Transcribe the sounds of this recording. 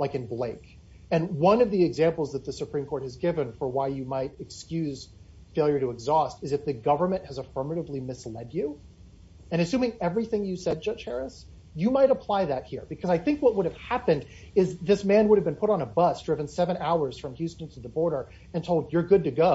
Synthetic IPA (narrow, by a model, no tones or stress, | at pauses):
laɪkɨ̃nbleɪk | ɨ̃nwʌ̃nʌvðiɨɡzæ̃mpl̩ˠzðət̪̚ðɨsɨpʰɹ̥ĩmkʰɔɹt̚hɨzɡɪvɨ̃nfə˞waɪjɨmaɪɾɨkskjʉz̥ | feɪlˠjə˞ɾɨɨɡzɔstɨzɨfðɨɡʌvə˞mɨ̃nʔhɨzəfɜ˞mɨɾəvlimɨslɛdʉ | ɨ̃ɾ̃ɨsʉ̃mɪ̃ŋɛvɹiθɪ̃ŋjɨsɛd̚d͡ʒʌ̥ʒ̥hɛɹɨs | jɨmaɪɾəpʰl̥aɪðɨt̚hiɹbɨkʰʌzaɪθɪ̃ŋkwʌt̚wʊɾɨv̥hæpɨ̃nd | ɪzðɪsmæ̃nwʊɾɨvbɨ̃npʰʊɾn̩əbʌsd̥ɹɪvɨ̃nsɛvɨ̃ñaʊə˞z̥fɹʌ̃mhjʉstn̩tʰɨðəbɔɹɾə˞ | ɨ̃ntʰoʊlˠdd͡ʒə˞ɡʊd̚tɨɡoʊ